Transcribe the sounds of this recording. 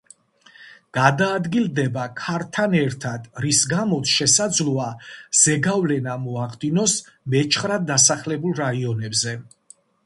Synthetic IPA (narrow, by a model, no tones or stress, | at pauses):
ɡ̥ad̪aːd̪ɡilˠd̪ɛbakʰaɾt̪ʰanɛɾt̪ʰad̪̥ɾisɡamɔt̪sʰʃɛsad̪zlˠuaz̥ɛɡavlɛnamɔaχd̪inɔs | mɛt͡ʃʰχɾad̪̚d̪ːasaχlɛbulˠɾaiɔnɛbzɛ